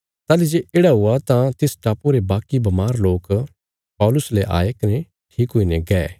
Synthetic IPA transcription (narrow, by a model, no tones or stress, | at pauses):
t̪aːlid͡ʒeʔeːɽaɦʊat̪ãt̪ɪsʈaːpoɾebaːkibɐmaːɾloːk | pɔːlʊsleʔa̰ːekɐne | ʈʰiːkɦoːinɛɡɛː